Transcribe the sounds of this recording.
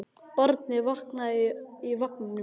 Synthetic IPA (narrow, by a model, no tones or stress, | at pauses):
pɔɾt̪̚nɪvɔknaivɔhknn